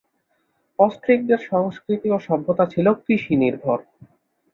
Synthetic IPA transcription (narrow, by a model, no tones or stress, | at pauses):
ɔst̪ɾik̚d̪eɾʃɔŋskɾit̪ioʃɔbʱːot̪at͡ɕʰilokɾiʃiniɾbʱoɾ